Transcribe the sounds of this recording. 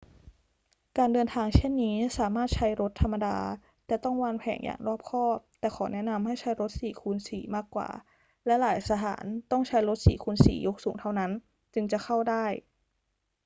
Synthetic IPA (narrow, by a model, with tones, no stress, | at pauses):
kaː˧ndɤː˧nt̪ʰaː˧ŋt͡ɕʰe˥˩nːiː˦˥saː˩˦maː˥˩t̪̚t͡ɕʰa˦˥jɾo˦˥t̪ʰːa˧mːa˧daː˧ | t̪ɛː˨˩t̪ɔ˥˩ŋwaː˧npʰɛ̰ː˩˦ŋja̰ː˨˩ŋɾɔː˥˩p̚kʰɔː˥˩p̚t̪ɛː˨˩kxʰɔː˩˦nɛ˦˥na˧mɦa˥˩jt͡ɕʰa˦˥jɾo˦˥t̪̚siː˨˩˦kʰuː˧nsiː˩˦maː˥˩kːwa̰ː˨˩ | lɛ˦˥laː˩˦jsʰa˧t̪ʰa̰ː˩˦nt̪ɔ˥˩ŋt͡ɕʰa˦˥jɾo˦˥t̪̚sḭː˩˦kʰuː˧nsiː˨˩˦jo˦˥k̚suː˩˦ŋt̪ʰa˥˩wna˦˥n | t͡ɕɯ˧ŋt͡ɕa˨˩xʰa˥˩wdaː˥˩j